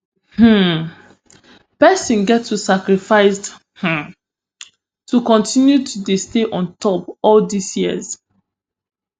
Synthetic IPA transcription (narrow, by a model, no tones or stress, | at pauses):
hm̩ | pɛsɔ̃nɡɛtʰːusakɹifaɪs | h̩ | tukɔ̃ntĩnjutʰudesteʔɔ̃ntɔpɔldisjiə̰z